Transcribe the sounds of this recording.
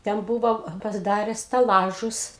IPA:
tʲɛn ˈbʊʋoː pɐsʲɪˈdɑːrʲɛ sʲtʲɛˈlˠɑːʒʊs

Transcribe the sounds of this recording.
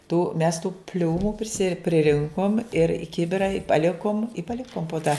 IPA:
tuː mʲɛs tuː ˈpʲlʲuːmʊ pʲrʲɪˈsʲɪ pʲrʲɪˈrʲɪŋkoːm ɪr ɪ ˈkʲɪbʲɪrɐ ɪ pɐˈlʲɪkoːm ɪ pɐˈlʲɪkoːm poː tɐ

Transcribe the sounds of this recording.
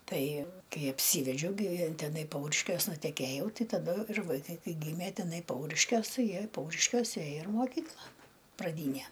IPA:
ˈtɐɪ ˈkɐɪ ɐpʲˈsʲiːʋʲɛd͡ʒʲɛʊ ɡʲɪ tʲɛˈnɐɪ ˈpɐʊrʲɪʃʲkʲuɔs nʊtʲɛˈkʲeːjɛʊ ˈtɐɪ tɐˈdʊ ɪr ʋɐɪˈkɐɪ ˈkɐɪ ˈɡʲiːmʲeː tʲɛˈnɐɪ ˈpɐʊrʲɪʃʲkʲuɔs ˈtɐɪ ˈjiɛ ɪr ˈpɐʊrʲɪʃʲkʲoːsʲɛ ˈeːjoː ɪr moːˈkʲiːklˠɐ prɐˈdʲiːnʲɛ

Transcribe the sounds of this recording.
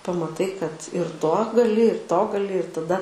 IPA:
pɐmɐˈtɐɪ kɐt ɪr toː ɡɐˈlʲɪ ɪr toː ɡɐˈlʲɪ ɪr tɐˈdɐ

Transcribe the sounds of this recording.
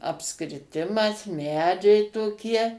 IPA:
ɐpskrʲɪˈtʲɪmɐs ˈmʲæːd͡ʒʲɛɪ toːˈkʲiɛ

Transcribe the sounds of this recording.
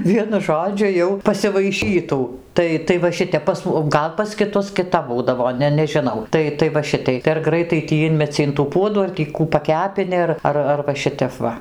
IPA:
ˈʋʲiɛnʊ ˈʒoːd͡ʒʲʊ jɛʊ pɐsʲɪʋɐɪˈʃʲiːtuː ˈtɐɪ tɐɪ ʋɐ ˈʃʲɪtʲɛp pɐs oː ˈɡɐlˠ pɐs kʲɪˈtʊs kʲɪˈtɐp ˈbuːdɐʋoː ˈnʲɛ nʲɛʒʲɪˈnɐʊ ˈtɐɪ tɐɪ ʋɐ ˈʃʲɪtɐɪ tɐɪ ɐr ˈɡrɐɪtɐɪ tʲiː ˈɪnʲmʲɛt͡sʲɪ ɪn tuː ˈpuɔduː ɐr tʲiː ˈkuː pɐˈkʲæːpʲɪnʲɪ ɐr ˈɐr ɐr ʋɐ ˈʃʲɪtʲɛp ˈʋɐ

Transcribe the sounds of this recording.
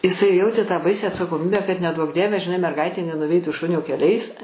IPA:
ɪˈsɐɪ ˈjɛʊtʲeː tɑː ˈbɐɪsʲæː ɐtsɐkoːˈmʲiːbʲæː kɐt nʲɛˈduɔk ˈdʲiɛʋʲɛ ʒʲɪˈnɐɪ mʲɛrˈɡɐɪtʲeː nʲɛnʊˈʋʲɛɪtuː ˈʃʊnʲoː kʲɛlʲˈɛɪs

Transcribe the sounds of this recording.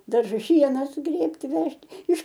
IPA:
dɐrˈʒʊs ˈʃʲiɛnɐ sʊˈɡrʲeːpʲtʲɪ ˈʋʲɛʃt ɪʃ

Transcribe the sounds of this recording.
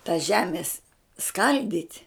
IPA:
tɐ ˈʒʲæːmʲeːs ˈskɐlʲdʲiːtʲ

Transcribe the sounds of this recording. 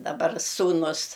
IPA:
dɐˈbɐr suːˈnʊs

